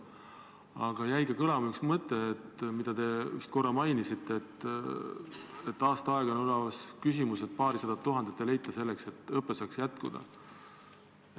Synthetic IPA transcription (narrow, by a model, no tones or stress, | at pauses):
ɑ̰ɡ̥ɑjæjɡekɤlɑmyksmɤt̪ːˑe̞ːt̪mid̪̥ɑd̪e̞yhst̪̚ko̞rːɑmɑjnisit̪ːˑet̪ː | et̪ːˑɑːst̪ɑɑeɡ̥ɑnlɑvɑskys̬ʲimuse̞t̪̚pɑːɾisɑd̪ɑt̪ːuɦɑnd̪et̪ːele̞jt̪ːˑɑse̞lːekse̞t̪ːˑɤpːesɑːksjæt̪kud̪̥ɑ̰